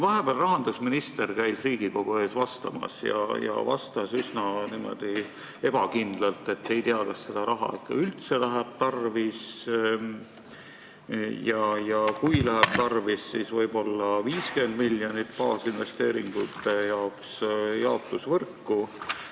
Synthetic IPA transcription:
vɑɦe̞b̥æːlrɑɦɑnd̪̥usminist̪e̞rkæjd̪̥riːɡ̥iko̞ɡ̥ue̞ːsvɑst̪ɑmɑ̰sjɑ̰jɑ̰vɑ̰st̪ɑsysnɑniːmo̞̰d̪̥i | e̞b̥ɑkind̪̥lɑlt̪ːˑe̞t̪ːˑe̞jt̪eɑkɑsːe̞d̪̥ɑɾɑɦɑ̰ikːɑ̰ylt̪se̞læɦæb̥̚t̪ɑrvis | jɑjɑkujlæɦɛb̥̚t̪ɑrvisːiːsvɤjbo̞lːɑviːskyend̪miljonit̪pɑːsinve̞st̪eːɾiŋɡ̥ut̪ːejɑoksjɑot̪ːˑusvɤrkːu

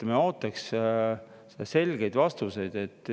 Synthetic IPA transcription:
meo̞ːt̪ːˑɑks | se̞lɡ̥e̞jd̪vɑst̪use̞jd̪̥e̞t̪ːˑ

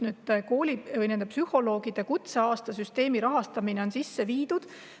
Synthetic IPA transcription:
nyːd̪̚ko̞ːlʲivɯjniænpsyho̞lo̞ːɡid̪̥ekut̪se̞ɑːst̪ɑsyst̪e̞ːmiɾɑɦɑst̪ɑmine̞o̞nsisːe̞viːd̪ud̪̥

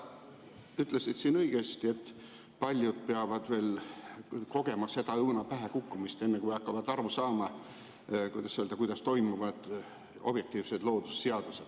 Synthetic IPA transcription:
yt̪ˑlesid̪̥siːnɤijɡ̥est̪ie̞t̪ːˑ | pɑlʲjud̪̥̚peɑvɑd̪̥ve̞ːl | ko̞ɡ̥e̞mɑse̞d̪ɑɤwnɑpæɦekukːumist̪enːekujɑkːɑvɑd̪ɑɾusɑːmɑ | kujd̪ɑsiøld̪ɑkujd̪ɑst̪o̞jmuvɑd̪̥ | o̞̰b̥je̞k̚t̪iːvse̞d̪̥lo̞ːd̪̥u̥sseɑd̪̥used̪̥

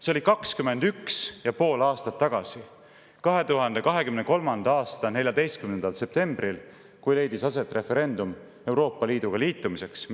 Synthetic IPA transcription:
seolikɑkskyme̞nd̪̥yksjɑpo̞ːlɑːst̪ɑt̪ːɑɡ̥ɑsi | kɑɦe̞t̪uɦɑnd̪e̞kɑɦe̞kymneko̞lmɑnd̪̥ɑɑːst̪ɑne̞lʲjɑd̪e̞jst̪kymnend̪ɑlse̞p̚t̪e̞mb̥ril | kujle̞jd̪̥isɑse̞t̪ːˑre̞fe̞ɾe̞nd̪̥um | e̞wɾo̞ːpːˑɑliːd̪̥uɡ̥ɑliːt̪ːˑumise̞ks

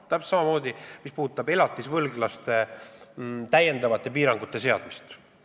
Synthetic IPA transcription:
t̪æpssɑmɑmo̞ːd̪imispuːt̪ːˑɑbe̞lɑt̪ːˑisvɤlɡlɑst̪e̞ | t̪æje̞nd̪ɑvɑt̪ːˑe̞piːɾɑŋɡ̥ut̪ːˑe̞se̞ɑd̪̥mist̪

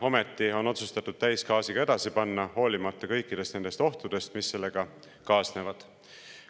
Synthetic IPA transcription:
o̞me̞t̪ːˑio̞no̞t̪sust̪ɑt̪ːˑud̪̥t̪æjskɑːsiɡ̥ɑe̞d̪̥ɑsipɑnːɑho̞ːlimɑt̪ːˑɑkɤjkːˑid̪̥e̞st̪e̞nd̪e̞st̪o̞ht̪ud̪̥e̞st̪misːe̞lːe̞ɡ̥ɑ | kɑːsne̞vɑd̪̥

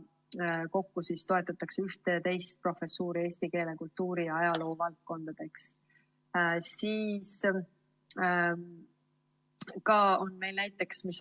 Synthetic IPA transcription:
ko̞kːusist̪o̞et̪ːˑɑt̪ːˑɑkseyht̪et̪e̞jst̪̚pro̞fe̞sːuːɾie̞ːst̪ike̞ːle̞kult̪ːuːɾijɑɑjɑlo̞ːvɑlt̪̚ko̞nd̪̥ɑd̪̥e̞ks | siːs | kɑo̞nme̞jlnæjt̪ːˑe̞ksmis

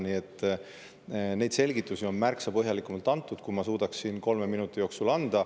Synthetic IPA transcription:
nie̞t̪ːˑ | ne̞jd̪̥se̞lɡ̥it̪ːˑusio̞nmærksɑpɤɦjɑlikːˑumɑlt̪ːˑɑnt̪ːˑud̪̥kumɑsuːd̪̥ɑksːinko̞lme̞minut̪ːˑijo̞ːksulɑnd̪̥ɑ

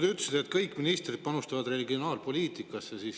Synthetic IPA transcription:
d̪eyt̪ːˑsid̪̥et̪kɤjkːˑminist̪rid̪̥pɑnust̪ɑvɑd̪re̞liɡio̞nɑːlpo̞lʲiːt̪ˑikːˑɑsːesiːs

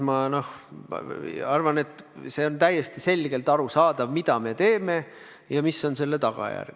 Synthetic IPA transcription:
mɑno̞h | ɑrvɑne̞t̪ːˑse̞ːo̞nt̪æjːest̪ise̞lɡ̥e̞lt̪ɑɾusɑːd̪̥ɑvmid̪ɑme̞t̪e̞ːme̞ | jɑmisːo̞nse̞lːe̞t̪ɑɡ̥ɑ̰jæ̰rɡ̥

